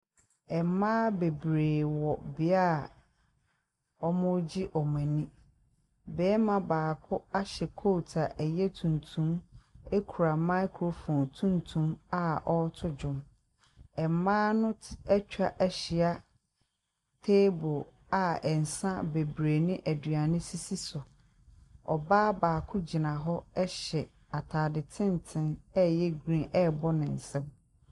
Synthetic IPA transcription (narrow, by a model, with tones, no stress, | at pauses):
ɛ˨m˦mãː˦be˨bɾeː˨wɔ˨bɪ˨a˦a˨ | ɔ˦mʊ̃˦d͡ʑi˦ʔɔ˨mɛ̃˨nĩ˦ | bɛː˨˦mã˨baː˨kʰʊ˦a˦ɕɛ˨kʰo˦˨tʰa˨ʔɛ˨jɛ˦tʰũ˨ntʰũ˦me˦kʰu˨ɾa˨ma˦ɪ˦kʰɾo˨fɔ̃˨ntʰũ˦ntʰũ˦ma˦˨ʔɔ˦tʰʊ˦d͡ʑᶣʊ̃˨m | ɛ˨m˨mãː˦nʊ̃˦ɛ˦t͡ɕᶣa˨ʔɛ˦ɕɪ˨a˦ | tʰe˦bʊ˨ | a˨ɛ˨n̩˨sã˦be˨bɾeː˨nɪ̃˦ʔæ˨dɥa˨nɪ̃˦si˦si˦sʊ˨ | ɔ̰˨baː˦baː˨kʰʊ˦d͡ʑi˨nã˨ɦɔ˦ɛ˦ɕɛ˨ | a˨tʰaː˨dɪ˨tʰɪ̃˦ntʰɪ̃˦nɛ˦jɛ˦ɡɾĩ˦nʔɛ˦bɔ˦nɪ̃˨n̩˨sɛ̃˦m